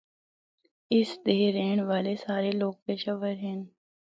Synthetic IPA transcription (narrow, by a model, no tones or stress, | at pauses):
ɪsd̪eːɾeːɳ̃ʋaːlesaːɾeloːɡ̚peːʃəʋəɾɦɛːn